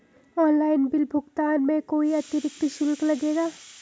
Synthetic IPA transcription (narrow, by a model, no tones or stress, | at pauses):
ɔːnlaːɪnbɪlbʱʊɡt̪aːnmẽkoːiɐt̪əɾɪk̚t̪iʃʊlklɐɡeːɡaː